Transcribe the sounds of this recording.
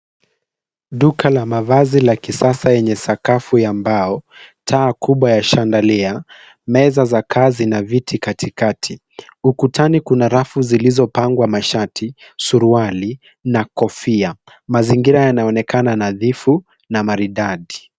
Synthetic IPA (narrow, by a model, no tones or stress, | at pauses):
ɗukʰalamavazilakisasajɛɲɛsakafujambaɔtʰaːkʰuɓwajaʃandalia | mɛzazakʰaːzinavitʰikatʰikatʰi | ukutʰanikunaɾafuzilizɔpaŋɡwamaʃatʰisuɾuali | nakɔfia | maziŋɡiɾajanaɔnɛkananaðifu | namaɾiɗaɗi